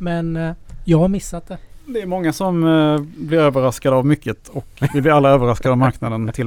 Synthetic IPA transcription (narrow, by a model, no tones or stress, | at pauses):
mɛnjɑːɡhaɾmɪsːat̪̚d̪ɛd̪ɛɾʉmɔŋːasɔmblɪɾøːvəɾaskad̪əavmʏkːət̪ɔkvɪblɪɾalːaøːvəɾaskad̪əavmaɾknad̪ənt̪ʰɪl